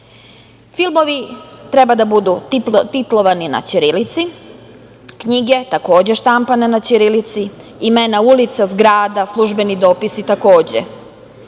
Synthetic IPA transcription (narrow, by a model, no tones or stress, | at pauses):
filˠmo̞ʋit̪ɾebad̪abud̪ut̪it̪lˠo̞ʋanina̰t͡ɕiɾilit̪si | kɲiɡe̞t̪ako̞ːd͡ʑe̞ʃt̪ampane̞nat͡ɕiɾilit̪siimenaulit̪sazɡɾaːd̪aslˠuʒbe̞nid̪o̞ːpisit̪ako̞ːd͡ʑḛ